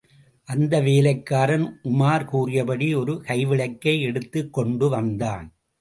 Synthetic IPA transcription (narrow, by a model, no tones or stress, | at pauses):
ʔɐnd̪ɐʋeːlɐɪkːaːɾɐnʔʊmaːɾkuːrɪjɐpɐɽiɔɾɯkɐɪʋɪɭɐɪkːɐɪɛɽɯt̪ːɯkːɔɳɖɯʋɐnd̪aːn